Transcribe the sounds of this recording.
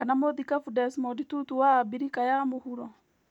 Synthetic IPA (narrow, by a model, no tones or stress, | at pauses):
anamoðikafudɛsmɔditutuwaːbiɾikajamohuɾɔ